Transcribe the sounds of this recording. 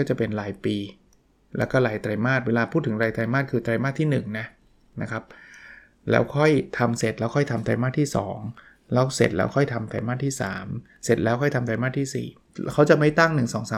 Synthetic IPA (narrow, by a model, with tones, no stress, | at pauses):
kɔ˥˩t͡ɕa˨˩pe˧nɾaː˧˥jpiː˧ | lɛː˦˥wkɔː˥˩ɾaː˨˧˩jt̪ɾa˧jmaː˥˩t̪̚weː˧laː˧pʰu˥˩t̪̚ʰːɯ˩˦ŋɾaː˧jt̪ɾa˧jmaː˥˩t̪̚kʰɯː˧t̪ɾa˧jmaː˥˩t̪ʰiː˥˩nɯ˨˩ŋna˦˥ | na˦˥kʰa˦˥p̚ | lɛ̰ː˦˥wkʰɔ˥˩jt̪ʰa˧mse˨˩t̪̚lɛː˦˥wkʰɔ˥˩jt̪ʰa˧mt̪ɾa̰˧jmaː˥˩t̪ʰiː˥˩sɔ̰ː˩˦ŋ | lɛː˦˥wse˨˩t̪̚lɛ̰ː˦˥wkʰɔ˥˩jt̪ʰa˧mt̪ɾa̰˧jmaː˥˩t̪ʰːiː˥˩sa̰ː˩˦m | se˨˩t̪̚lɛː˦˥wkʰɔ˥˩jt̪ʰa˧mt̪ɾa˧jmaː˥˩t̪ʰiː˥˩sḭː˨˩ | kʰa˦˥wt͡ɕa˨˩ma˥˩jt̪a˥˩ŋnɯ˨˩ŋsɔː˩˦ŋsaː˨˦